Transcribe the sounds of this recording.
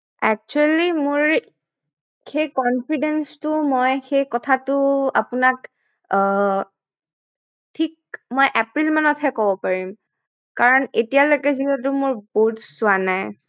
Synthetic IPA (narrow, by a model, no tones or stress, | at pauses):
ɛk̚t͡ʃuɛlimʊɹ | xejkɔnpidenstʊmɔjxejkɔtʰatʊa̰pʊnak | tʰik̚mɔjʔɛpɹilmanɔtʰɦɛkɔbɔpaɹim | kaɹɔnetijalojkɛzibɔt̬ʊmʊɹboɦutsʊanajs